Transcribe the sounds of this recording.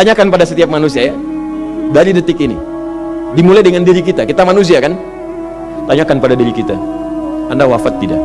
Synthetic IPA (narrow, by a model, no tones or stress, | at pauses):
t̪aɲakanpadasət̪iap̚manusiaja | daɾidət̪ɪkinḭ | dimulajdəŋandiɾikit̪akit̪amanus̬iakan | t̪aɲakanpadadiɾikit̪a̰ | andawafat̪ːida̰ʔ